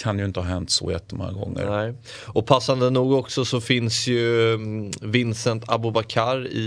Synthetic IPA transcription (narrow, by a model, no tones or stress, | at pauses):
kʰanjɵɪnt̪əhɑːɦɛnt̪sɔ̰ːjɛ̰t̪ʰːəmɔ̰ŋːa̰ɡɔ̰ŋːə̰ɾɛ | ɔpʰasːand̪ənuːɡɔksɔsɔfɪnsjɵ | vɪnsənt̪ʰa̰bʊbakʰaɾɪ̰